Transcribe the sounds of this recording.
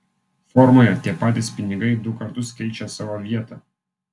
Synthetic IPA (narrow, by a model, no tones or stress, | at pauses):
fɔɾmoːjɛt̪ʲiɛpɑːt̪ʲɪspʲɪnʲɪɡɐɪd̪ʊkɐɾt̪ʊskʲɛɪt͡ʃʲɛsɑːʋoːʋʲiɛt̪ɑː